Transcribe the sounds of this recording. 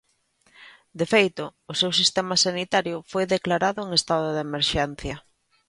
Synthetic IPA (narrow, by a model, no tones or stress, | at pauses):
d̪efejt̪ʊːsewsist̪ɛmɐsanit̪aɾjʊfojðeklaɾaðʊeŋest̪aðʊðemeɾʃɛn̟θjɐ